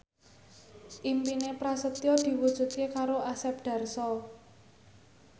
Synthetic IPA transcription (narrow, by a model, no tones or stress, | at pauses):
ʔimpinepɾasət̪jɔd̪̥i̤wud̥ʒ̥ṳt̪̚kekaɾoʔasɛp̚ɖ̪̥a̤rsɔ